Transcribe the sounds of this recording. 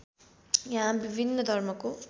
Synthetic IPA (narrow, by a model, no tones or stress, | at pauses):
jaɦãbibʱinːʌd̪ʱʌrmʌko